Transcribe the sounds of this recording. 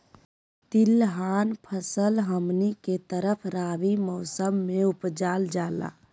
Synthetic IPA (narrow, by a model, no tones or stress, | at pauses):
t̪ilɦaːnpʰəsəlɦəmniket̪əɾəpʰɾaːʋimɔsəmːeupd͡ʒaːld͡ʒaːla̰ː